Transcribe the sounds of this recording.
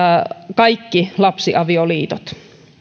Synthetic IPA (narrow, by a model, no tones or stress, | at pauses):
kɑikːilɑpsiʔɑʋioliːt̪ot̪